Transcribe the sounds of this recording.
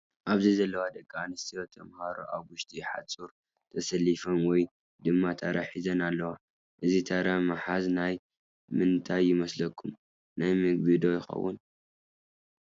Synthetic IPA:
ʔaβzɐjzɐlːɐwad̪ɐɡʼaanɨst̪ʰijot̪ʰːɐmhaɾo̰ʔaβwʊʃt̪ʰʼiħa̰t͡sʼuɾ | t̪ʰɐsɐlːifɐnwɔj | d̪ɨmːat̪ʰaɾaħizɐnalːɐwa | ʔɨzit̪ʰaɾamaħaznaj | mɨnt̪ʰajːɪmɐslɐkʰːum | najmɨɡbɨd̪ojɪxɐ̰wːṵn

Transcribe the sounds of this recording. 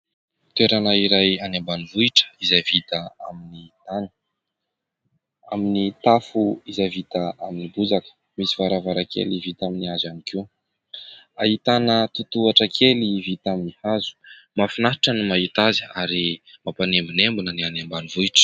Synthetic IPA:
t̪weɾanaiɾajanembanivuiʈ͡ʂə̥izajvit̪aaminit̪anə̥ | aminit̪afuizajvit̪aʔaminibud͡zakə̥ | misivaɾavaɾakʰḛlivit̪aminiazanikiw | aɦit̪anət̪ut̪uaʈ͡ʂəkʰelivit̪aminihazu̥ | mafinaɦiʈ͡ʂənimait̪aziaɾimapanembunembunənianembanivuiʈ͡ʂə̥

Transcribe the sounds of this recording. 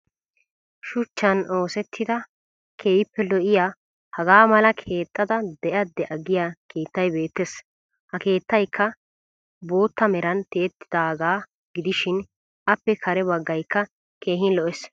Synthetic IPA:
ʃʊt͡ʃːɐnʔo̞ːsɛt̪ʰːɪd̪ɐ | kʰeːjɪpːɛlɔʔɪjaː | hɐɡaːmɐlɐkʰe̞ːt̪ʼːɐd̪ɐd̪ɛʔɐd̪ːɛʔɐɡɪjakʰe̞ːt̪ːɐjbe̞ːt̪ːes | hɐke̞ːt̪ːɐjkʰːɐ | bo̞ːt̪ːɐmɛɾɐnt̪eːt̪ːɪ̥d̪aːɡaː | ɡɪd̪ɪʃɪn | ʔɐpːɛkʰɐɾɛbɐɡːɐjkːɐ | ke̞ːɦɪnlɔʔɛs

